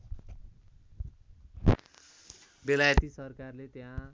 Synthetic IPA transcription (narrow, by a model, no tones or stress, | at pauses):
belajʌt̪isʌrkarlet̪jã